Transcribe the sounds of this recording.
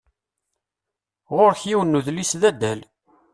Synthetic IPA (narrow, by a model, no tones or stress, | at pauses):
ʁoɾçiwənːuðlisðæd̪ːæl